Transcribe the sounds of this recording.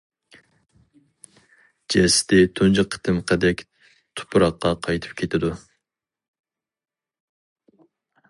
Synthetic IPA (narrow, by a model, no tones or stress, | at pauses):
d͡ʒɛsɪ̥t̪ɪt̪ʰond͡ʒɨqʰːə̥t̪ʰɨmqʰəd̪ɛkʲ | t̪ʰʊ̥pʰɾɑqːɑqʰɑjt̪ʰɨ̥p̚kʲʰet̪ʰɪd̪u